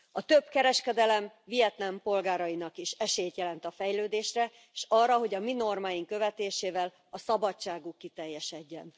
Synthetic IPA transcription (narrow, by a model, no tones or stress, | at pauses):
ɒt̪ø̞bkɛɾɛʃkɛd̪ɛlɛm | vijɛt̪lɛmpo̞lɡaːɾɒinɒkiʃɛʃejt̪jɛlɛnt̪ɒfɛjløːd̪eːʃrɛ | eʃɒːrːɒɦo̞ɟɒmino̞rmaːjiŋkø̞vɛt̪eːʃeːvɛl | ɒsɒbɒt͡ʃːaːɡukːit̪ɛjːɛʃɛɟːɛ̰n